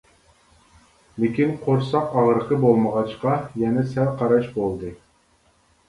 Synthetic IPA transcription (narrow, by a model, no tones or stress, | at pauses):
lɪkʲinqʰoɾsɑqɑʁɾəqəbolˠməʁɑʃqɑjɛnɛsɛlqʰɑɾɑʃbolˠd̪ɨ